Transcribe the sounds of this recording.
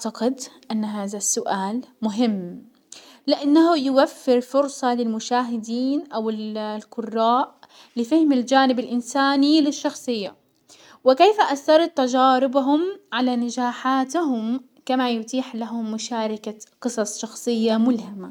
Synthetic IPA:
aʕt̪aqɪd̪ʔanːɦaːðasːʊʔaːlmʊɦɪmː | lɪʔanːahʊjʊwafːɪɾfʊɾsˤɑlɪlmʊʃaːɦɪd̪iːnʔawɪllqʊrˤːaːʔ | lɪfahɪmɪld͡ʒaːnɪbɪlʔɪnsaːnilɪʃːɑxsˤɨjːa̰ | wɪkeːfaʔaθːɑɾˤɑt̪ːad͡ʒaːɾɪbaɦʊmʕalanad͡ʒaːħaːt̪ɦʊm | kamajʊt̪ˤiːħlaɦʊmːʊʃaːɾˤɪkaqɨsˤɑsˤʃɑxsˤɨjːamʊlhama

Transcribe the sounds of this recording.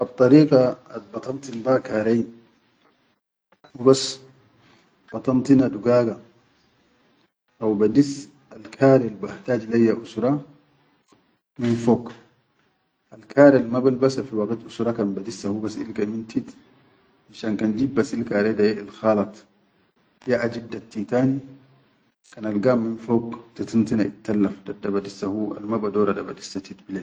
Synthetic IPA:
ʔɑb̚t̪ˤːɑɾiːɡɑat̪̚bɑt̪ˤɑnt̪inbakaːɾej | hubas | b̥ɑt̪ˤɑnt̪inad̪uɡaːɡa | ʔawbad̪is | alkʰaːɾelbaht̪aːd͡ʒilajːaʔusɾˤɑ | minfok | ʔalkʰaːɾalmabalbasafiwaɡit̪ʔusɾɑkanbad̪isːahubasḭlkamint̪it̪ | ʔanʃaːnkand͡ʒibːasilkaːɾedajeʔilxaːlɑt̪ˤ | jaʔad͡ʒid̪ːat̪ːit̪aːni | kanalɡamːinfoːkt̪at̪int̪inaʔit̪ːalːafdadːabadisːahua̰lmabadoːɾadabadi̥sːat̪it̪bile

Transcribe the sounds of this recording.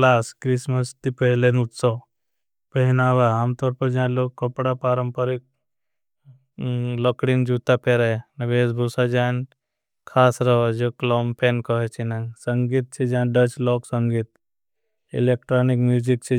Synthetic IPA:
klaːskɾisməst̪ipəɦlenut̪sɔ | pəɦinaːʋaaːmt̪ɔːɾpɐɾd͡ʒãːloːɡ̚kəpɽapaːɾəmpəɾik̚ | lɔkɽind͡ʒuːt̪apeɾenɐbeːsbʱusad͡ʒaːn | kʰaːsɾɐʋad͡ʒoːklɔːmpʰeːnkɔɦet͡ʃʰinasəŋɡit̪̚t͡ʃʰid͡ʒãːɖət͡ʃlɔːksəŋɡit̪ | ḭleːkʈɾoːnikmjuːd͡ʒik̚t͡ʃʰi

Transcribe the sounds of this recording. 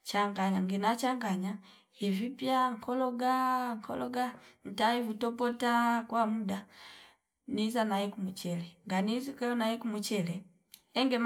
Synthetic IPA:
t͡ʃaŋɡaɲaŋɡinat͡ʃaŋɡaɲa | ivipjaŋ̩kʰɔlɔɡaŋkʰɔ̰lɔɡan̩taivutɔpɔtakwamuda | nizanaikumut͡ʃɛlɛŋɡanizikɛɔnaikumut͡ʃɛlɛ | ɛŋɡɛm

